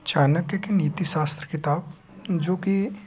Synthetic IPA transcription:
t͡ʃaːnəkːəkeniːt̪iʃaːst̪ɾəkɪt̪aːb | d͡ʒoːki

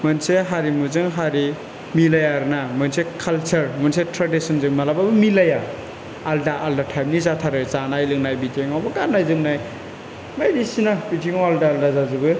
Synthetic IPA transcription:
mɯnseɦaɾimuzɯŋɦaɾi | milajaɾɯnamɯnsekʰalt͡ʃɐɾmɯnsetɾadisɯnzɯŋmalababɯmilaja | aldaʔːldatʰajmnizatʰaɾɯzanajlɯŋnajbitʰiŋawbaɡanːajzɯŋnaj | majdisinabitiŋaaldaːldazazɯbɯ

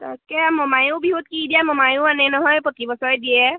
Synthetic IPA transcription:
t̪a̰skɛamɔmajubiɦut̪̚kidijamɔmajuʊanɛnɔɦɔjpɔt̪ibɔsɔɹɛdijɛ

